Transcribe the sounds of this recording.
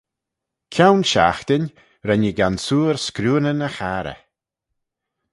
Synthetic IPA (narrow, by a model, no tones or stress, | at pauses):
kʰawnʃa̰xt̪ɪnʲ | ɾɛnəɡansuːɾskɾuːnənəxaɾə̰